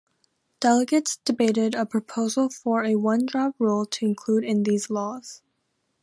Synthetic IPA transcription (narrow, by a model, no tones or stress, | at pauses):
d̥ɛlˠəɡɨtsd̥ɨbeɪɾɪɾəpʰɹ̥ɨpʰoʊzl̩ˠfə˞ɨwʌ̃ndɹɑp̚ɹulˠtʰɨɨ̃nkʰl̥uɾɨ̃nðizlɔz̥